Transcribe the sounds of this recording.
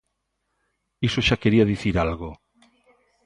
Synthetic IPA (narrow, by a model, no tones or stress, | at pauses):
isoʃakeɾiaðiθiɾalɣo